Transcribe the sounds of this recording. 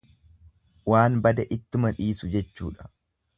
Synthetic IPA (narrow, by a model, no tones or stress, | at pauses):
waːnbɐd̪ɐʔɪt̪ːʊmɐᶑiːsʊd͡ʒɛt͡ʃːuːᶑɐ̥